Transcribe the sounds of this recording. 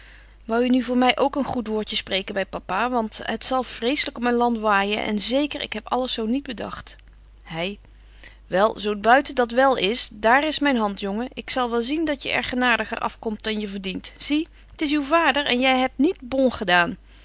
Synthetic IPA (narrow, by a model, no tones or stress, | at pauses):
ʋɑwjənyvʊːɹmɛjʔowkənχutʋʊːɹjəsprejkəbɛjpapaːʋɑntɦətsɑlˠv̥rejsələkɔpmɛnlɑntʋaːjə̰nʔɛ̰nzejkəɹɪ̰kɦɛpɑ̰ləsːownid̚bədɑ̰χt | hɛj | ʋɛlˠzowt̚bœɥtədɑtʋɛlˠɪsdaːrɪsmɛjnɦɑntjɔŋəʔɪksɑlˠʋɛlˠzindɑtjəʔɛ̰ɹχənaːdəχə̰rʔɑ̰fkɔmt̚dɑnjəvəɹdintz̥i | ətɪs̬ywvaːdəɹɛnjɛjɦɛp̚tnit̚bɔlˠχədaːn